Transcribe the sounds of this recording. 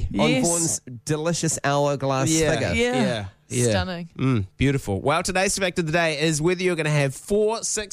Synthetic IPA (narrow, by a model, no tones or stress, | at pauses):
ə̃nbɔɹnzd̥ɨlɪʃɨsaʊə˞ɡlæjæfɪɡə̰jææ | jætanɪŋm̩b̥jʉɾɨfə̰l̩ˠwʔaɪlˠtʰɨdeɪzɨfɛk̚tʌvðədeɪɪzwɪðjə˞ɡʌñɨːv̥fɔɹsɪks